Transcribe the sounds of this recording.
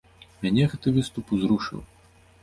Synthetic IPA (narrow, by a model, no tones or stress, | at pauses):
mʲanʲɛɣɛt̪ɨvɨst̪upuzɾuʂɨ̰w